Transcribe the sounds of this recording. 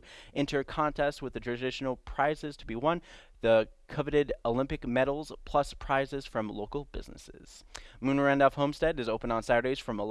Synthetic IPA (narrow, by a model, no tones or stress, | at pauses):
ʔɪ̃ntʰə˞kʰɑ̃ntʰɛst̚wɨðɨtʰɹ̥ɨdɪʃn̩l̩ˠpʰɹ̥aɪzɨz̥tʰəbiwʌ̃n | ðɨkʰʌvɨɾɪɾoʊlɪ̃mpɨkmɛɾl̩ˠz̥pʰl̥ʌspʰɹ̥aɪzɨz̥fɹʌ̃mloʊkl̩ˠbɪ̰znɨ̰sɪ̰z̥ | mʉnə˞æ̃ndəfhõʊ̃mstɛɾɨzoʊpə̃ndn̩sæɾə˞deɪz̥fɹʌ̃mə